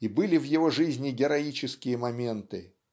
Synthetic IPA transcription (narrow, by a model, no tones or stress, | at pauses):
ibɨlʲɪvjɪvo̞ʐɨzʲnʲɪɡʲɪɾɐit͡ɕɪskʲɪjəmɐmʲe̞nt̪ɨ